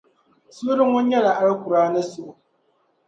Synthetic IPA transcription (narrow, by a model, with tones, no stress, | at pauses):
sʊ˦ɾɨ˦ŋo˦ɲɛ˦la˨ʔa˦ɾɨ˦ku˨ɾaː˦nɨ˦sʊ˨ʔʊ˨